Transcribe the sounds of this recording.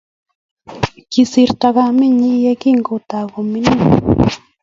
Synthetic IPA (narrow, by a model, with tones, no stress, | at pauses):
ki˨si˨ɾta˨ɣa˦mi˦˨ɲi˦jɛ˦ki˦ŋɡo˨ta˨ko˨mi˦ni˦˨